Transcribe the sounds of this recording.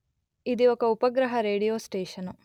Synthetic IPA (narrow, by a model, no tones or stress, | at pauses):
id̪ioːkɐupɐɡɾɐɦɐɾeːɽijoːsʈeːʃɐnu